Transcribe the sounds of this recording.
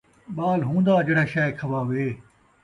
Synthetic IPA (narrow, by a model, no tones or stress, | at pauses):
ɓaːlɦũːn̆d̪aːd͡ʒeːɽaːʃaːekʰɐʋaːʋeː